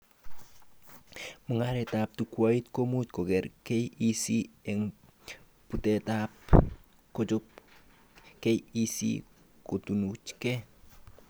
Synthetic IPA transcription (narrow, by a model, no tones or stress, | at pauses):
məŋaɾetap̚tukuwaitkomut͡ʃ̚kokeɾkejisieŋ | putetap | kot͡ʃup̚ | kejisḭ | kotunut͡ʃke